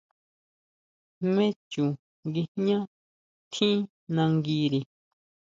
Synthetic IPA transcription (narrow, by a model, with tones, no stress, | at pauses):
mẽ˦t͡ʃu˨ | ŋɡi˧ɲã˦ | t̪ʰĩ˦ | nã˧ŋɡi˧ɾi˨